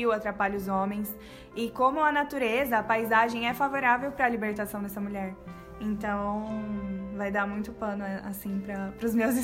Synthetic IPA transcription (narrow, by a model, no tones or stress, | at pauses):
iwat̪ɾapaʎɐʊzõmẽj̃s | ɪkõmʊɐnat̪uɾezɐːpajzaʒẽj̃ɛfavoɾavewpɾɐlibeɾt̪asɐ̃w̃d̪ɛsɐmuʎɛɾ | ẽnt̪ɐ̃w̃ | vajd̪amũj̃t̪ʊpɐ̃nʊasĩpɾɐpɾʊzmewzi